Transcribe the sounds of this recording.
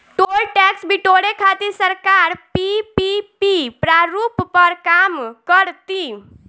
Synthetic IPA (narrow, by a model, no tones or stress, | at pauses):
ʈolʈɛksbʱiʈoɽekʰat̪iɾsəɾkaɾpipipipɾaɾuppəɾkamkəɾt̪i